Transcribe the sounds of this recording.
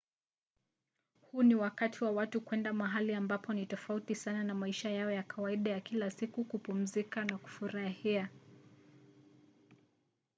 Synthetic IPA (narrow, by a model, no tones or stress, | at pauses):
huniwakatʰiwawatukwɛndamaɦaliambapɔnitɔfautisananamaiʃajaɔjakawaiɗajakilasikukupum̩zikanaku̥fuɾahia